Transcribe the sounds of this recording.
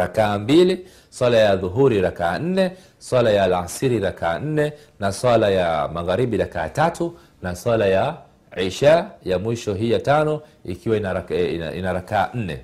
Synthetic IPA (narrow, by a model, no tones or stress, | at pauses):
ɾakaːmbili | swalajaðuɦuɾiɾakaːn̩nɛ | swalajaːlasiɾiɾakaːn̩nɛ | naswalajamaɣaɾiɓiɾaka̰ːtatu | naswalaja | ʕiʃajamwiʃɔɦiːjatanɔḭkiwainaḭnaɾakaːn̩nɛ̰